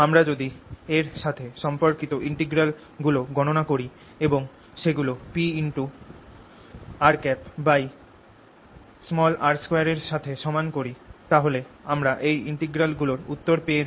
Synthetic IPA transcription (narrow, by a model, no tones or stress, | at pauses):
amɾad͡ʑod̪ieɾʃat̪ʰeʃɔmpoɾkit̪oʔiɳʈeɡɾal | ɡuloɡɔñonakoɾi | eboŋ | ʃeɡulopiiɳʈu | aɾkɛpbaj | smɔlaɾskojaɾeɾʃat̪ʰeʃɔmankoɾit̪aɦoleamɾaʔejiɳʈeɡɾalɡuloɾut̪ːoɾpee